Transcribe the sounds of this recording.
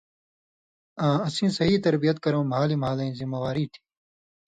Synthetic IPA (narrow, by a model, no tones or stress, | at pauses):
ãːɐsĩːsɐɦiːt̪ɐɾbijɐt̪̚kɐɾõːmɐɦaːlimɐɦaːlɐĩːzimɐwaːɾiːt̪ʰi̥ː